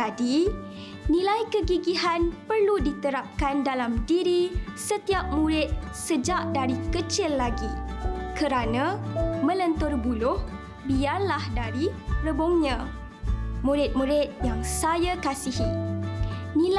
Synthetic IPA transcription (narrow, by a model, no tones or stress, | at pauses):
adi | nĩlajkəɡiɡiɦanpərludit̪əɾap̚kandalamdiɾisət̪iap̚mũɾɪt̪̚ | səd͡ʒaʔdaɾikət͡ʃɪlːaɡikəɾanãmə̃lənt̪ʊrbulʊh | biarlahdaɾirəbʊŋɲã | mũɾɪt̪̚mũɾɪt̪̚jaŋsajakasihi | nĩl